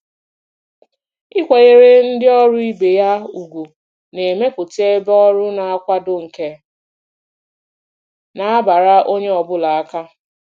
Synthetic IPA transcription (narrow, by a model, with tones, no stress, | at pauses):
ɪ˦kʷe˨ɣe˦ɾe˦n̩˦dɪ˦ɔ˦ɾʊ˦i˦be˨ja˦u˨ɡʷu˨ | ne˨me˦pʊ˨te˦bɔ˦ɾʊ˦na˨a˦kʷa˦dʊ˦ŋ̩˨ke˦ | na˨a˦ba˨ɾa˦ʔo˦ɲe˦ɔ˨bʊ˦la˨a˦ka˦